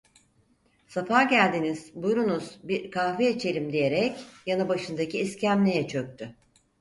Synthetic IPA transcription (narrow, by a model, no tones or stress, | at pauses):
safaːɟælʲd̪iniz̥bujɾunuz̥biɾkʰaːviet͡ʃʰe̞ɾʲimd̪ije̞ɾɛcjanɯbaʃɯnd̪aciːscʰæmlʲejɛt͡ʃʰø̞k̚ʲt̪ʰy